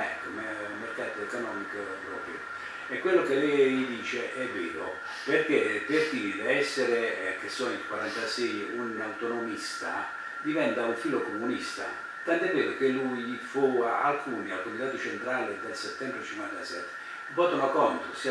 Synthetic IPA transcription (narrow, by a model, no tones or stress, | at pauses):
ɛ̰komeumːerkaːt̪oekonɔːmikopɾɔ̰ːpɾjo̰ | ekːwelːokelɛjd̪iːt͡ʃeʔɛvːeːɾo̰ | perkeperk̪id̪eɛsːeɾek̟esːɔnilkwaɾant̪asɛjunawt̪onomist̪a̰ | d̪ivɛnt̪auɱfiːlokomunist̪a̰ | t̪ant̪ɛveːɾokelːujfuaa̰lkuːnialkomit̪aːt̪ot͡ʃent̪ɾaːled̪elset̪ːɛmbɾet͡ʃiŋkwant̪asɛ̰t̪ːe̥ | bɔːt̪onokɔnt̪osi